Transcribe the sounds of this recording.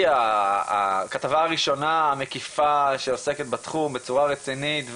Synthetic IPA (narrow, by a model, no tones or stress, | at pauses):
a̰ | katavaːʁiʃo̞naːme̞kifaʃeoseket̪̚bat̪χumbe̞t͡suʁaʁet͡sinitv